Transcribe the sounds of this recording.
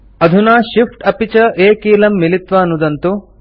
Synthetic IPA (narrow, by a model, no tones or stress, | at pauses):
ɐd̪ʱunaːʃifʰʈɐpit͡ʃɐʔeːkiːlɐmːilit̪ʋɐːnːud̪ɐnt̪u